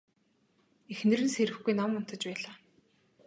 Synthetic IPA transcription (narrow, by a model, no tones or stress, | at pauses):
exnɘ̆rɘ̆nseɾɘ̆xɡujnɔmʊn̥t̪ə̆t͡ɕpæːɮaː